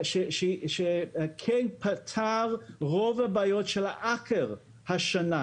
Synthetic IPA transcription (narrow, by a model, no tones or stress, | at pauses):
ʃeʃeʃekʰɛnpʰatʰaʁʁovabaːjotʃelaʔakʰeʁ | haʃana